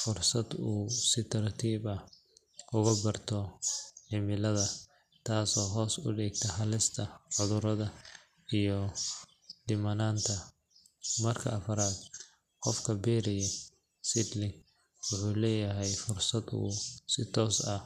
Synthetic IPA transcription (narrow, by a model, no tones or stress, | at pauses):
fʊrsɐd̪uːsɪt̪ʰɐɾt̪ʰiːbɐ | ʔʊɣɐbɐrt̪ʰɔħɪmɪlɐðɐ | t̪ʰaːsɔːɦɔːsʊ̰ɖiːɡ̚t̪ʰɐhɐlɪst̪ʰɐʕʊðʊɾɐðɐ | ijɔ | d̪ɪmɐnaːnt̪ʰɐ | mɐrkʰɐɐfɐɾaːd̪ | qɔfkʰɐbɛːɾɪjɛ | sɪd̪lɪŋɡ | wʊħuːlɛːjɐɦɛjfʊrsɐd̪ṵːsɪt̪ʰɔːsɐ